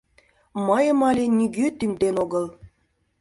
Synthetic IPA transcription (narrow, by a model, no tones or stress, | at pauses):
məjəmɑlʲenʲiɡʲøt̪yŋd̪enoɡəl